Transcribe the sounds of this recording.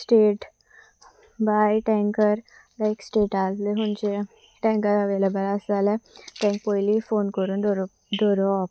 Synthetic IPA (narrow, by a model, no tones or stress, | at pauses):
sʈeːʈ | baːjʈɛ̃ːŋkəɾ | laɪksʈeːʈaːlleɦʊnt͡ʃe | ʈɛ̃ːŋkəɾɐʋeːlebəlasalɛʈɛ̃ːŋk̚poːjlifoːnkəɾũ | ɖoːɾoɔp